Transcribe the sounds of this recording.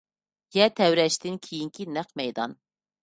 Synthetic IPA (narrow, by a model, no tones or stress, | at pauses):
jɛt̪ʰɛwɾɛʃt̪ɪnkʲʰijiŋkʲʰinæqmɛjd̪ɑ̰n